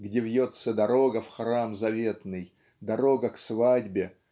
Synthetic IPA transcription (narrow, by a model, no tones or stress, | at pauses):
ɡdʲevʲjot̪səd̪ɐɾo̞ɡəfxramzɐvʲe̞t̪nɨj | d̪ɐɾo̞ɡəksvadʲbʲɪ